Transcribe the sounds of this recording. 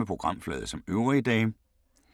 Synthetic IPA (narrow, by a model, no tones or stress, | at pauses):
epʰʁo̝ɡ̥ʁɑ̈m̰flɛ̰ːð̞ˠsɒ̽møʊʁid̥ɛ̰ː